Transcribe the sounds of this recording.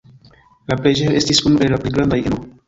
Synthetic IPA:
lapled͡ʒee̞stisunuʔellaplejɡɾandajʔḛno

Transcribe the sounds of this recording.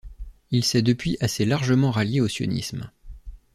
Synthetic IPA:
ilsɛd̪əpɥiʔaselaʁʒəmɑ̃ʁaljeosjɔ̰nḭsm

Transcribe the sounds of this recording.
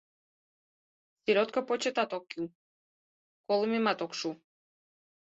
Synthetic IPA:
siɾɔt̪kapɔt͡ʃɛt̪at̪ɔkːu | kɔlˠimimat̪ɔkʃu

